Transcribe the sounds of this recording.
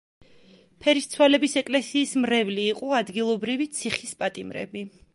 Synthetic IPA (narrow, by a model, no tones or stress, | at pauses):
pʰɛɾist̪sʰwalɛbisɛkʼlɛsiːsmɾɛvliːqʼɔad̪ɡilˠɔbɾivit̪sʰiχispʼat̪ʼimɾɛ̰bi